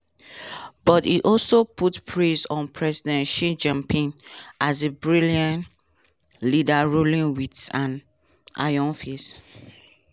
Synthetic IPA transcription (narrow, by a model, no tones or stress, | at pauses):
b̥ɔtḭʔɔlsoputpʰɹesɔ̃npʰɹɛzidɛ̃nʃid͡ʒãmpʰĩnʔazebɹiliãn | lidaɹulĩnwitsãn | ʔa̰jɔ̃nfis